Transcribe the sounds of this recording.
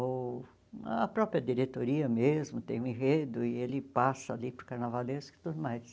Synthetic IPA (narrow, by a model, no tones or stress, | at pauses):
o | ɐpɾɔpɾiɐd̪iɾet̪oɾiɐmezmʊt̪ẽj̃ũĩɦed̪ʊɪelɪpasɐalipɾʊkaɾnavaleskɪ̥t̪ud̪ʊmajs